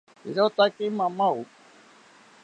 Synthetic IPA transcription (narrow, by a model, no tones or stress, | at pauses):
iɾot̪akimãmãu